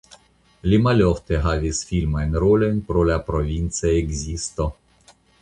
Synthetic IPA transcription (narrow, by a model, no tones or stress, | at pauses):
limaloft̪eɦavʲisfʲilmajnɾolenʲpɾolapɾovʲint̪seeɡzist̪o